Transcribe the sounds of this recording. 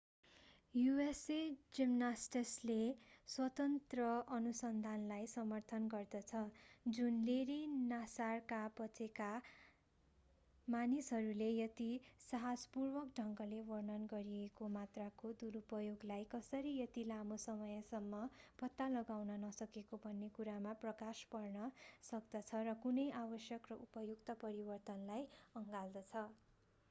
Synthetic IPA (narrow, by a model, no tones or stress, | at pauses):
juesed͡zimnasʈesleswʌt̪ʌnt̪rʌʌnusʌnd̪ʱanlajsʌmʌrt̪ʰʌnɡʌrd̪ʌt͡sʰʌd͡zunleɾinasarkabʌt͡seka | manisɦʌɾulejʌt̪isaɦad͡zpurbʌkɖʱʌŋkʌlewʌrnʌnɡʌɾiekomat̪rakod̪uɾupʌjoɡlajkʌsʌɾijʌt̪ilamosʌmʌjʌsʌmːʌb̥ʌt̪ːalʌɡawnʌnʌsʌkekobʱʌnːekuɾamaprʌkaspʌrnʌsʌkd̪ʌt͡sʰʌrʌkunʌjʔabʌsjʌkrʌʔupʌjukt̪ʌpʌɾibʌrt̪ʌnlajʌŋɡald̪ʌt͡sʰʌ